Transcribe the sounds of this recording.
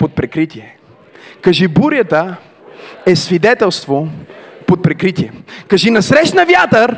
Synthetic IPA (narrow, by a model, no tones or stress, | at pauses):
pot̪̚pɾɛkɾit̪ʲiɛ | kɐʒibuɾjət̪ə | ɛsvid̪ɛt̪ɛlˠst̪vopot̪̚pɾɛkɾit̪iɛkɐʒinɐsɾɛʃnɐvjat̪əɾ